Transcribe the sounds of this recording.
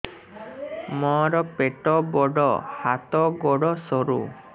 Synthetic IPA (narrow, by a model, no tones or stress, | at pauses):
mɔɾɔpeʈɔbɔɖɔhat̪ɔɡɔɽɔsɔɾṵ